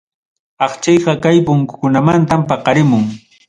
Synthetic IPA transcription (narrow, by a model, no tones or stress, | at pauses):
ɑχt͡ʃɑjqɑkajpʊŋkʊ̥kʊnamant̪ampɑqɑɾɪmʊŋ